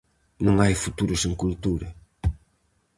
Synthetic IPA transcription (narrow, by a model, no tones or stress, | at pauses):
nɐ̃ŋajfut̪uɾʊsẽŋkult̪uɾɐ